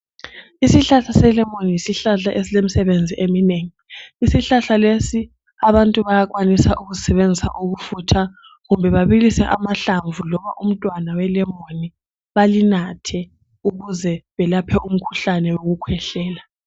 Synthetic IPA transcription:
isiɬaɬasɛlɛmonijisiɬaɬaʔesilem̩isɛβend͡zʱiʔemineːŋiːsiɬaɬalesi | aβantʼuβajak̬wanisaʔuɣuzisɛβend͡zʱisa̰ʔuɣufutʰa | ɣumbʱɛβaβilisɛʔamaɬaɱvʱulɔβaʔum̩tʼwanawɛlɛmoni | βalinatʰɛ | uɣuzɛβɛlapʰɛum̩kʰu̥ɬanɛwoɣukʰwɛɬɛːla

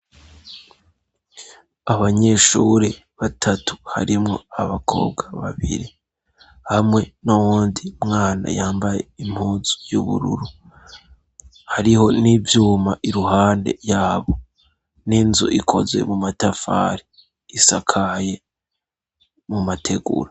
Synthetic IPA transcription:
aβaɲe̞ʃṵɾe | βatʰatu̥ha̰ɾimŋo̞̰aβakʰo̞̰ːbɡaβa̰βḭɾi | hamŋe̞nowuːndimŋaːna̰jaːmbaje̞im̥huːzu̥juβṵɾṵɾu | haɾiho̞nivjuːmaʔiɾuhaːnde̞̰jaːβo̞ | ninzuʔikʰo̞zwe̞̰mumatafa̰ːɾi | isakʰaje | mumatʰe̞ɡṵɾa

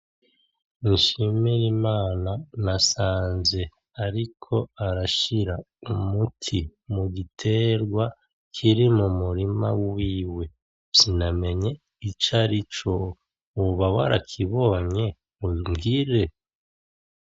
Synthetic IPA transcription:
iʃimiɾimaːnanasaːnze̞ | aɾikʰo̞aɾaʃiɾa | umutʰimuɡitʰe̞ɾɡwa | kʰiɾimumuɾima̰wwiːwe̞ | siname̞ɲe̞ | it͡ʃaɾit͡ʃo | uβawa̰ɾakʰiβo̞ːɲe̞ | umɡiːɾe̞

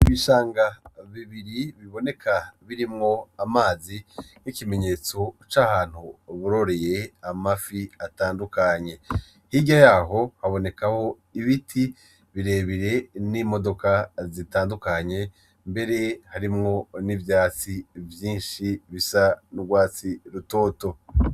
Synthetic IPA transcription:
iβiʃaːŋɡaβiβiɾiβiβo̞ne̞kʰaβiɾimŋo̞amaːzin̥ikime̞ɲe̞ːt͡so̞t͡ʃahaːn̥huβuɾo̞ɾe̞je̞amafiataːndukaɲe̞ | hiɟajaːɦo̞haβo̞ne̞kaho̞ | iβitʰi | βiɾe̞ːβiɾe̞nimo̞do̞kazitaːndukaɲe̞ | mbe̞ɾe̞haɾimŋo̞nivjaːt͡sivjiːnʃiβisanuɡwaːt͡siɾuto̞ːto̞

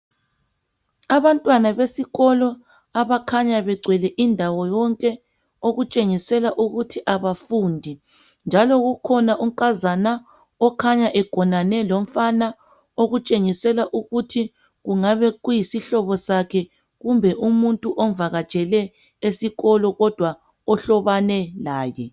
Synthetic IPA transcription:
aβantʼwanaβesiɣɔlɔ | aβakʰaɲaβɛɡ͡ǀʱwɛlɛʔindʱawɔjɔŋkʼɛ | oɣut͡ʃʼeŋisɛlaʔuɣutʰiʔaβafuːndʱi | nd͡ʒʱalɔɣukʰɔnaʔuŋkʼazana | ɔkʰaɲaʔɛɡ̥ʱɔnanɛlom̩fana | oɣut͡ʃʼeŋisɛlaʔuɣutʰi | ɣuŋaβɛɣujisiɬɔβɔsakʰɛ | ɣumbʱɛʔumuntʼuʔɔɱvaɣḁt͡ʃʼɛlɛ | esiɣɔlɔɣɔd̥ʱwa | ɔɬɔβanɛlaːjɛ

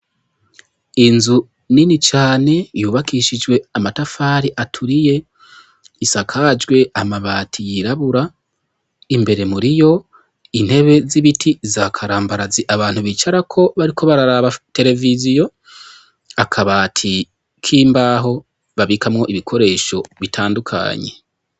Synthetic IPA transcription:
inzu | ninit͡ʃaːne̞juːβakiʃid͡ʒɡwe̞amatafaːɾiʔatʰuɾije̞ | isakʰad͡ʒɡwe̞amaβaːtʰijiɾaβuɾa | imbe̞ɾe̞muɾijo̞ | in̥he̞βe̞ziβitʰizakʰaɾaːmbaɾaziʔaβaːn̥huβiːt͡ʃaɾakʰo̞βaɾikʰo̞βaɾaɾaβate̞ɾe̞vizijo̞ | akʰaβaːtʰi | kʰiːmbaːɦo̞ | βaβikamŋo̞ʔiβikʰo̞ɾe̞ːʃo̞βitʰaːndukʰa̰ːɲe̞̰

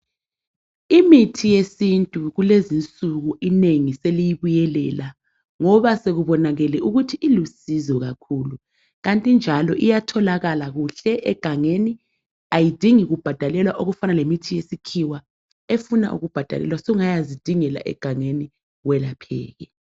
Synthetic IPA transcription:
imitʰijesintʼuɣulezint͡sʼuɣuʔineŋiselijiβujɛlɛːla | ŋɔβaseɣuβɔnaɣɛlɛuɣutʰiʔilusizɔɣakʰuːlu | ɣantʼind͡ʒʱalɔʔijatʰɔlaɣalaɣuɬɛʔɛɡ̥ʱaŋeni | ajid̥ʱiŋiɣub̥ʱad̥ʱalɛlwaʔoɣufanalemitʰijesikʰiwa | efuna̰ʔṵɣub̥ʱad̥ʱa̰lɛ̰lwasɔuŋajazid̥ʱiŋɛla̰ʔɛ̰ɡ̥ʱaŋeni | wɛlapʰɛ̰ːɣɛ

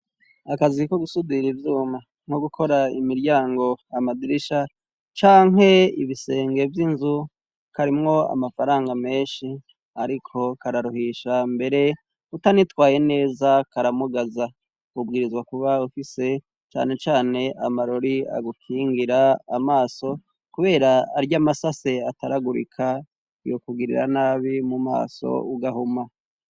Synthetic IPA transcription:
akaziko̞ɡusudiɾivjuːma | ŋ̥ho̞ɡukʰo̞ɾaimiɾɟaːŋɡo̞amadiɾiʃa | t͡ʃaːŋɦe̞ḭβise̞ːŋɡe̞vjinzu | kaɾimŋo̞a̰mafaɾaːŋɡame̞ːnʃi | aɾikʰo̞kaɾaɾuhiʃambe̞ɾe̞ | utanitwaːje̞ne̞ːzakaɾamuɡaza | kubɡiːɾizwakuβaufise̞ | t͡ʃa̰ːne̞t͡ʃaːne̞ʔamaɾoɾia̰ɡukʰiːŋɡiɾaːmaːso̞ | kuβe̞ːɾaːɾjamasase̞ataɾaɡuɾḭkʰa | ijo̞kuɡiɾḭɾa̰naːβimuma̰ːso̞̰uɡaɦuma

